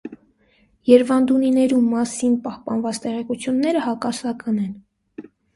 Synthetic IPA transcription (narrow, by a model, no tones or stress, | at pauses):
jɛɾvɑnd̪uninɛɾumːɑsinpɑhpɑnvɑt͡st̪ɛʁɛkut͡sʰjunːɛɾəhɑkɑsɑkɑnɛn